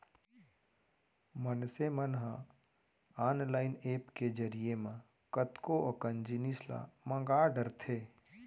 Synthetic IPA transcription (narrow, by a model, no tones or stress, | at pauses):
mənsemənɦã | aːnlaːɪneːpked͡ʒəɾijemã | kət̪koʔəkənd͡ʒinisla̰mə̃ŋɡaːɖəɾt̪ʰeː